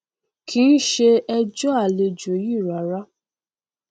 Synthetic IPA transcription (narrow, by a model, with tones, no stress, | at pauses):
kʰĩ˦n̩˦ʃe˧ɛ˧d͡ʒɔ˦a˦˨le˧d͡ʒo˨˦ji˦˨ɾa˨˦ɾa˦